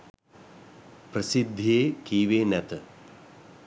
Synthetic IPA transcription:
pɾəsid̪ʱːeːkiːʋeːnɛt̪ə

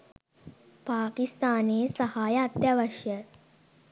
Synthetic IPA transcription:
paːkist̪aːneːsɐhaːjəːt̪jaʋɐʂjə

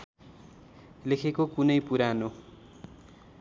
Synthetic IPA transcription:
lekʰekokunʌjpuɾano

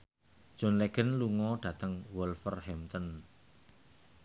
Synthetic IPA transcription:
d̥ʒ̥ɔ̤nleɡ̥ə̤nluŋɔɖ̥ä̤t̪əŋwɔlfərhɛmt̪ən

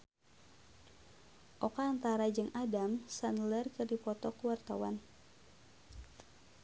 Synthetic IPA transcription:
ʔɔkaːnt̪aɾad͡ʒɨŋʔadamsanlərkɨrdipɔt̪ɔkuwart̪awan

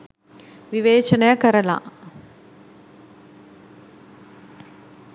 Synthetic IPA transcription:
ʋiʋeːt͡ʃənəjəkəɾəla̰ː

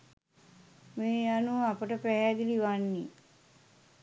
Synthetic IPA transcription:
meːjanuapəʈəpæɦæːd̪iliʋanːi

